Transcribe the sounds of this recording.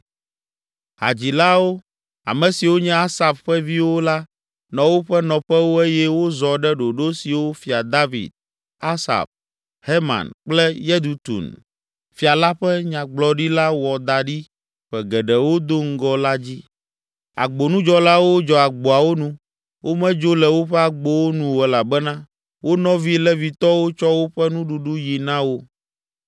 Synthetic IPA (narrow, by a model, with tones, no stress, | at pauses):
ɦa̰˨d͡ʑi˨la˦wo˦ | a̰˨mɛ̃˨si˨wo˦ɲɛ̃˦a˦sa˨fɸɛ˦vi˦wo˦la˦ | nɔ̃˨wo˦ɸɛ˦nɔ̃˨ɸɛ˦wo˦e˦jɛ˦wo˦zɔ˨ɖɛ˦ɖo˨ɖo˦si˨wo˦fi˨a˨d̪a˦vḭ˨d̪̚ | a˦sa̰˨ɸ | he˦ma̰˨nk͡plɛ˦je˦d̪u˨t̪ṵ˨n | fi˨a˨la˦ɸɛ˦ɲã˨ɡ͡blɔ˨ɖi˦la˦wɔ˨d̪a˨ɖi˦ | ɸɛ˨ɡɛ˨ɖɛ˨wo˦d̪o˦ŋ̩˦ɡɔ˦la˦d͡ʑi˦ | a̰˨ɡ͡bo˨nũ˦d͡ʒɔ˦la˦wo˦d͡ʒɔ˨a˨ɡ͡bo˨a˨wo˦nũ˦ | wʔo˦mɛ̃˦d͡ʒo˦lɛ˨wo˦ɸɛ˦a˨ɡ͡bo˦wo˦nũ˨wɛ˨la˨bɛ˦nã˦ | wo˦nɔ̃˦vi˦lɛ˦vi˨t̪ɔ˦wo˦t͡ʃɔ˦wo˦ɸɛ˦nũ˦ɖu˨ɖu˦ji˨nã˦wo˦